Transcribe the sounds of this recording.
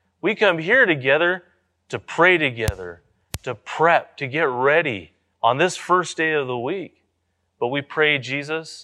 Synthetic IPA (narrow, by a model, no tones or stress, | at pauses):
wikʰʌ̃mɦiɹɾɨɡɛðə˞ | ɾɨpʰɹ̥eɪɾɨɡɛðə̰˞ | ɾɨpʰɹ̥ɛp̚tʰɨɡɛt̚ɹɛɾḭ | ə̃nðɪsfɜ˞sd̥eɪʌvðəwik̚ | b̥ʌt̚wipʰɹ̥eɪd͡ʒizəs